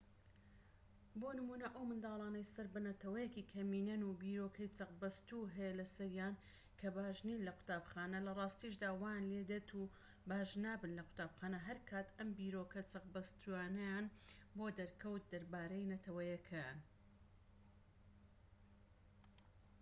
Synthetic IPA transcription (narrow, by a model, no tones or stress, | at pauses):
bonɨmuːnɐʔɐwmɨnd̪ɑːlˠɑːnɐjsɐɾbɐnɐt̪ɐwɐjekiːkʰɐmiːnɐnubiːɾokʰɐjt͡sɐq̚bɐst̪uɦɛjɐlɐsɐɾjaːn | kʰɐbaːʒniːnlɐqʰʊ̥t̪aːbxaːnɐlɐrˤɑːst̪iʃ̬d̪aːwaːjanled̪et̪ʰu | baːʒnaːbɨnlɐqʰʊ̥t̪aːbxaːnɐɦɐɾkʰaːt̪ɐmbiːɾokɐt͡sɐqbɐst̪ʰujaːnɐjaːnboːd̪ɐɾkʰɐwt̪̚d̪ɐɾbaːɾɐjnɐt̪ʰɐwɐjɐkʰɐjaːn